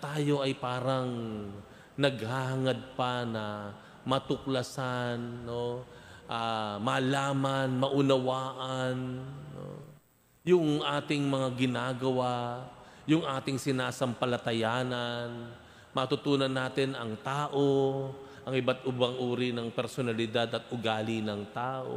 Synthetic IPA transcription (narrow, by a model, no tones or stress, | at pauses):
t̪aːjo̞ʔɐjpaːɾɐŋ | nɐɡ̚hahɐŋɐd̪̚pɐnɐ | mɐt̪ʊklɐsanːo̞ʔamɐlaːmɐnmɐʔʊnɐwaːʔɐnːo̰ | jʊŋʔaːt̪ɪŋmɐŋaɡɪnaːɡɐwa | jʊŋʔaːt̪ɪŋsɪnaːsɐmpɐlɐt̪ɐjaːnɐn | mɐt̪ʊt̪uːnɐnːaːt̪ɪnɐŋt̪aːʔo̞ʔɐŋʔɪbat̪ʔʊbɐŋʔuːɾinɐŋpɛɾsonɐlɪd̪ad̪ɐt̪̚ʔʊɡaːlɪnɐŋt̪aːʔo̰